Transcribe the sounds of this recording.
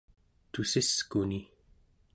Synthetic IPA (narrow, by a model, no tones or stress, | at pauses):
t̪usiskuni